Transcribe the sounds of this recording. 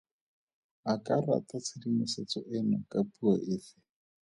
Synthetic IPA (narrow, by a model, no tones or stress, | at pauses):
akʼara̰tat͡sʰɪdimɪset͡sɔʔɪnɔkʼapʼuaʔɪːfɪ̥